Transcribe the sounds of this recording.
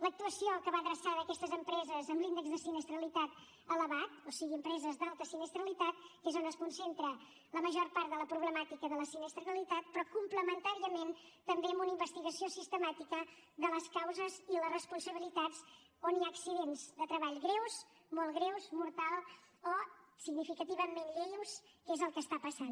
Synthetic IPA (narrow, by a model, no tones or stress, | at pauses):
lək̚t̪uəsioəkəβaðɾəsaðəːkɛst̪əzəmpɾɛzəzəmblind̪əɡzðəsinəst̪ɾəlit̪at̪ | ələβat̪̚osiɣiəmpɾɛzəzd̪alˠt̪əsinəst̪ɾəlit̪at̪̚kezonəskunsent̪ɾə | ləməʒorpaɾt̪d̪ələpɾuβləmat̪ikəðələsinəst̪ɾəlit̪at̪̚pɾɔkumpləmənt̪aɾiəment̪əmbeəmbunəimbəst̪iɣəsiosist̪əmat̪ikəd̪ələskawzəzilərəspunsəβilit̪az | oniaːksiðenzðət̪ɾəβaʎɣɾewz | molˠɣɾewzmuɾt̪alˠosiɣnifikət̪iβəmenʎejuskezəlˠkəːst̪apəsan